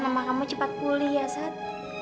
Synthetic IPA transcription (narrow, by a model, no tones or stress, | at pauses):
namakamut͡ʃəpat̪̚kulijasat̪̚